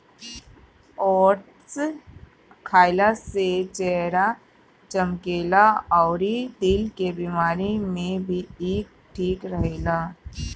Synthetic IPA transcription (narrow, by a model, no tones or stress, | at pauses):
ɔːɾʈ | s | kʰaːɪlaset͡ʃɛːɦɾa | t͡ʃəmkeːlaɔːɾid̪ɪlkebimaːɾimẽbʱieːk̚ | ʈʰiːkɾəɦeːlaː